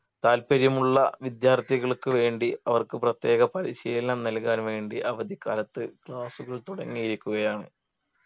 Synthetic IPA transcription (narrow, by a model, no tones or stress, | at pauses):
t̪aːlpɐɾjɐmuɭːɐʋid̪jaːrt̪iɣɐɭkɨʋe̞ːɳɖiɐʋɐrkɨprɐt̪je̞ːɣɐpɐɾiɕiːllɐnɐmnɐlkaːnʋe̞ːɳɖiʔɐʋɐd̪ʱikːa̰ːlɐt̪ːɨkɭaːsuɣɐɭt̪uɽɐŋːijiɾikʲːuɣɐjaːɳɨ